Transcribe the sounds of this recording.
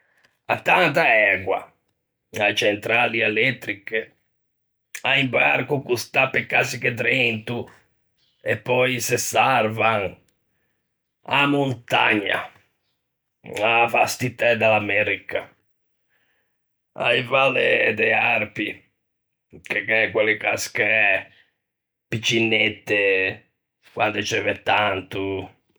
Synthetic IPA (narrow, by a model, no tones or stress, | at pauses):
a̰t̪ːant̪aɛɡwa̰ | ajt͡ʃɛnt̪ɾaliɛlɛt̪ːɾike | aimba̰ɾkukust̪apːekːasiket̪ɾɛnt̪u | epːɔjsesarvaŋ | a̰munt̪a̰ɲːa̰ | afast̪it̪ːɛd̪alamɛɾika | a̰ivaled̪earpi | kekɛkwelːikaskeɛ | pit͡ʃːinːɛt̪ːe | kwa̰nd̪et͡ʃɛvɛt̪ːant̪u